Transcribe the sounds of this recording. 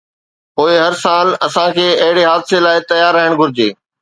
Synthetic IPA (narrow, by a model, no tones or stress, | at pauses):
poːɪɦɐɾsaːlɐsãkʰeːɐɦɪɽeɦaːd̪selaːɪt̪ɐjaːɾːɐɦɪɽ̃ɡʱʊɾɪd͡ʑeː